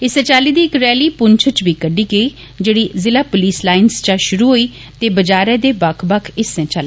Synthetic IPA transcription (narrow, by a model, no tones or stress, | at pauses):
ɪsɛ̃ːt͡ʃaːliːd̪iːɪkɾɛːliːpʊɲt͡ʃʰət͡ʃbiːkəɖiːɡeiː | d͡ʒeːɽiːzɪlaːpoliːslaːɪnst͡ʃãːʃʊɾuːɦoːiː | t̪eːbəd͡ʒaːɾɛːd̪eːbəkʰbəkʰɪsɛ̃ːt͡ʃaːle